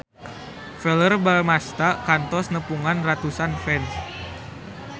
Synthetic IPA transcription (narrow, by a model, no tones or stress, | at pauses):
fɛlərbalmast̪akant̪ɔsnəpuŋanrat̪usanfɛns